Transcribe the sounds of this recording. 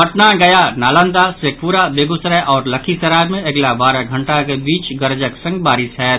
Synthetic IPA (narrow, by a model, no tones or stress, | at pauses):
ɐʈnaɡɐjanaːlə̃nd̪asek̚ʰpuːɾabeːɡʊsɾɛʔɔːɾlɐkʰisɐɾaːɾmẽɐɡlabaːɾaɡʱɐ̃ɳʈakebiːt͡ʃɡɐɾd͡ʒəksɐ̃ŋɡ̚baːɾɪsɦɛː